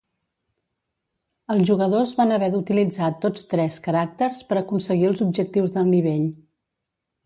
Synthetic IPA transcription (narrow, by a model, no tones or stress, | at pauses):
əlˠzʒuɣəðozβanəβɛɾut̪ilid͡zat̪ːot͡st̪ɾɛskəɾak̚t̪ərspəɾəkunsəɣiəlˠzubʒək̚t̪iwzðəlˠniβ̞eʎ